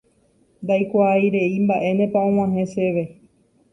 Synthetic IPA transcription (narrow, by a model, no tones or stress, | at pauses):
nd̪ajkʷaːjɾe̞imbaʔe̞nẽpaõw̃ãɦẽseʋe̞